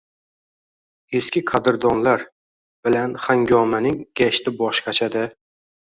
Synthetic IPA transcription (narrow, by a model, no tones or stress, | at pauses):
eskʲɪqʰad̪ɪɾd̪ɒnlaɾ | b̥ɪlanχaŋɡʲɒmanɪŋɡ̥ʲaʃt̪ɪbɒʃqɑt͡ʃʰad̪ɪ